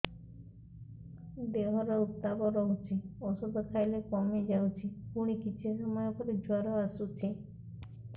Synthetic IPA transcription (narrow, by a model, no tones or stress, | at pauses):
beɦɔɾaut̪ːaboɾɔɦut͡ʃʰiɔsod̪okʰajlekɔmed͡ʑawt͡ʃʰikuɽ̃ikit͡ɕʰeʃɔmɔeokʰoɾed͡ʑʱɔɾoasut͡ɕʰe